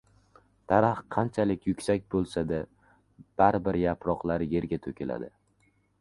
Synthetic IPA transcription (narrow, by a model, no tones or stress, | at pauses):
t̪ʰaɾahqʰɑnt͡ʃʰalɪkʲʰjʊkʲsak̚ʲbolˠsad̪a | b̥aɾɪbɪɾjapʰɾɒqlˠaɾje̞ɾɡʲat̪ʰokʲʰela̰d̪ɪ